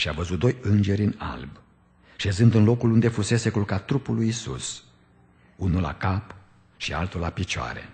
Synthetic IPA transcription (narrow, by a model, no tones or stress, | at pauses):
ʃiavəzut̪̚d̪o̞jɨnd͡ʒe̞ɾʲɨna̰lb | ʃe̞zɨnd̪ɨnlo̞kulund̪e̞fuse̞se̞kulkat̪ːɾupulːujisṵs | unula̰kap | ʃia̰lt̪ulapit͡ʃoa̰ɾe̞̰